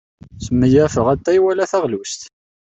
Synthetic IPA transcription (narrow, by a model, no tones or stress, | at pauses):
səmːəjæfəʁæt̪ːæiwælæθæʁlust̪